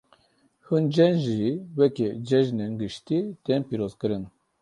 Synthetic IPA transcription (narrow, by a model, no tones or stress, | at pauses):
hund͡ʒɛnʒiwɛkɛd͡ʒɛʒnenɡɨʃt̪it̪ɛnpiɾozkɨɾɨn